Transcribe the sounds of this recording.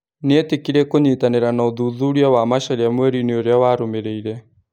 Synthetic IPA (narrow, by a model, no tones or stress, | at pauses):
neetekiɾɛkoɲitaneɾanaoðuðuɾiawamaʃaɾeamwɛɾineoɾeawaɾomeɾeiɾɛ